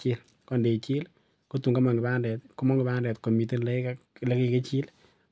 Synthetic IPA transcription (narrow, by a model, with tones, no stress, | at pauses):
ɪ˦l | kɔ˦˨nde˨t͡ʃi˦l | ko˦tu˨ŋɡa˦ma˨ŋɡɪ˨ba˦ndɛ˨t̪̚ko˦mɔ˦ŋɡɪ˨ba˦ndɛ˨tko˨mi˨te˦lle˦ke˦˧ke˦t͡ʃi˦l